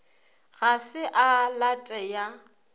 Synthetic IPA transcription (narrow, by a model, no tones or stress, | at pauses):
ɣasɪʔalatʼɛja